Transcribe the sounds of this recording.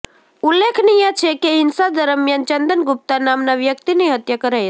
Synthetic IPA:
ulːekʰnijat͡ʃʰekeɦɪnsad̪əɾəmjant͡ʃənd̪ənɡʊp̚t̪anamnaʋjəkt̪iniɦət̪jakəɾaj

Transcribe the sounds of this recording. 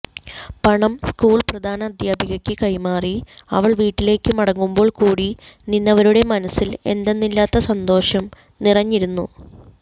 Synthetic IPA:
pɐɳɐmskuːɭprɐd̪ʱaːnɐːd̪jaːbʱiɣɐkʲːɨkɐjmaːriɐ̰ʋɐɭʋiːʈːile̞ːkːɨmɐɽɐŋːumbo̞ːɭkuːɽininːɐʋɐɾuɽe̞mɐnɐsile̞̰nd̪enːilːaːt̪ːɐsɐnd̪o̞ːʂɐm | nirɐɲːiɾunːṵ

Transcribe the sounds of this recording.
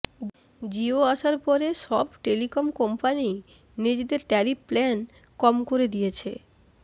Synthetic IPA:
d͡ʑioaʃaɾpɔɾeʃɔbʈelikomkɔmpani | nid͡ʑed̪eɾʈɛliplɛn | kɔmkoɾed̪ijet͡ɕʰe

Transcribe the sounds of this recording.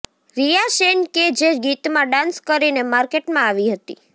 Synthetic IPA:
ɾijaʃenked͡ʒeɡit̪mãɖãnskəɾinemaɾkeʈmãaʋiɦət̪ḭ

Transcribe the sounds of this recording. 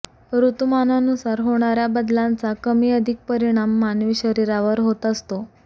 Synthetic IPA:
ɾut̪mananusaɾɦoɽ̃aɾjabəd̪lant͡sakəmiːəd̪ʱik̚pəɾiɽ̃amːanʋiːɕəɾiɾaʋəɾɦot̪əst̪o

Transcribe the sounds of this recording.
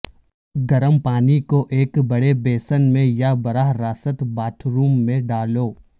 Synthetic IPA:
ɡɐɾəmpaːnikoʔeːkbɐɽebeːsənmẽjabɐɾaɦɾaːsət̪baːʈʰɾuːmːẽɖaːloː

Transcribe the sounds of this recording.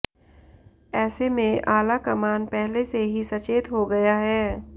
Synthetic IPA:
ɛːsemẽʔaːlakɐmaːnpɛɦleseɦisɐt͡ʃeːt̪ɦoɡɐjaɦɛː

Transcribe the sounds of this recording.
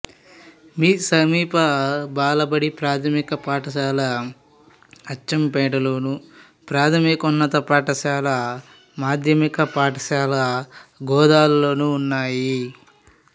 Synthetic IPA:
miːsɐmiːpɐbaːlɐbɐɽipɾaːt̪ʰɐmikɐpaːʈɐʃaːlɐ | ɐt͡ʃːɐmpɛːʈɐloːnu | pɾaːt̪ʰɐmikunːɐt̪ɐpaːʈɐʃaːlɐ | maːd̪ʱjɐmikɐpaːʈɐʃaːlɐɡɔːd̪aːllo̞ːnuːnːaːji

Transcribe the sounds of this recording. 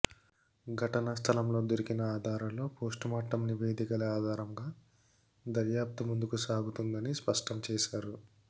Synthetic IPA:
ɡʱɐʈɐnɐst̪ʰɐlɐmlo̞ːd̪oɾikinɐaːd̪ʱaːɾɐmlo̞ːpo̞ːsʈumɐʈːɐmniʋe̞ːd̪ikɐlɐaːd̪ʱaːɾɐmɡaː | d̪ɐɾjaːp̚t̪umund̪ukusaːɡut̪und̪ɐnispɐʂʈɐmt͡ʃɛːʃaːɾu

